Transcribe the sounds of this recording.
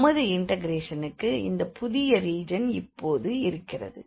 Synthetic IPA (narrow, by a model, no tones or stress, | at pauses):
mɐðɯɪɳʈɐɡɾeːʂɐnɯkːɯɪ̰nd̪ɐpʊðɪjɐɾiːd͡ʒɐnɪpːoːðɯɪɾɯkːɪrɐ̰ðɯ̰